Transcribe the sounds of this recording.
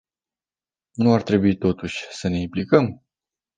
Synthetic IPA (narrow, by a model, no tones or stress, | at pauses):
nuart̪ɾe̞buit̪o̞t̪uʃʲsəne̞implikəm